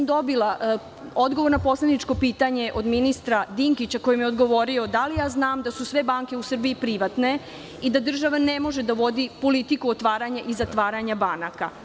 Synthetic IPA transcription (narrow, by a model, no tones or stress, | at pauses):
md̪o̞bilaʔ | o̞d̪ɡoo̞ɾnapo̞slenit͡ʃko̞piːt̪aɲe̞ʔo̞d̪minist̪ɾad̪iŋkit͡ɕako̞jimjeo̞d̪ɡo̞ʋo̞ɾio̞d̪alijaːznaːmd̪asusʋe̞baŋke̞usr̩biipɾiʋat̪ne̞ | id̪ad̪r̩ʒaʋane̞mo̞ʒe̞d̪aʋo̞d̪ipo̞lit̪ikuot̪ʋaːɾaɲaʔizat̪ʋaːɾaɲabanaka̰